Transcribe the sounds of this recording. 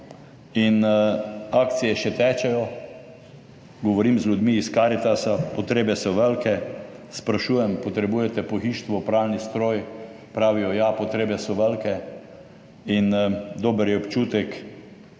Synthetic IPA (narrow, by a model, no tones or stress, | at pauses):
in | ak̚t̪sijɛʃɛt̪ɛːt͡ʃɛjɔ | ɡɔʋɔɾimzlʲud̪miːskaɾit̪asapɔt̪ɾeːbɛsɔʋəlkɛspɾaʃuːjɛmpɔt̪ɾɛbuːjɛt̪ɛpɔxiːʃt̪ʋɔpɾalnist̪ɾoːj | pɾaːʋijɔjapɔt̪ɾeːbɛsɔʋəlkɛ | ind̪oːbəɾjɛɔpt͡ʃuːt̪ɛk